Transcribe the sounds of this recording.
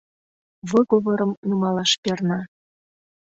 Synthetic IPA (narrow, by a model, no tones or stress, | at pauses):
βɤɣoβɤ̆ɾəmnumɑlɑʃpernɑ